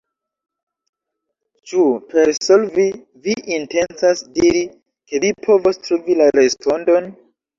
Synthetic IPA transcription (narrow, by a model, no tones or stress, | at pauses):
t͡ʃupʰeɾsolvi | viʔinte̞nsasdiɾi | ke̞vipʰo̞vostɾuvilaɾespʰo̞ndo̞n